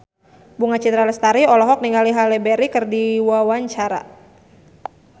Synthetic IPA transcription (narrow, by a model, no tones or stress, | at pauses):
buŋat͡ʃit̪ɾalɛst̪aɾiɔlɔɦɔk̚niŋaliɦalɛbɛɾikɨrdiwawaɲt͡ʃaɾa̰